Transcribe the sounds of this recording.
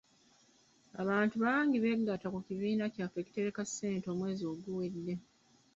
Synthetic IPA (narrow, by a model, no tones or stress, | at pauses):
a̰βaːntuβaːŋɡiβe̞ɡːatakuciβiːnacaːfe̞ci̥te̞ɾekasːe̞ːnto̞ːmwe̞ːzio̞ɡuwe̞dːe̞